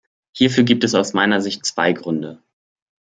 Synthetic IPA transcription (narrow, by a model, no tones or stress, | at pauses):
hiːɐfyːɐɡiːp̚tɛsaʊsmaɪnɐzɪçt̚t͡sv̥a̰ɪɡʁʏndə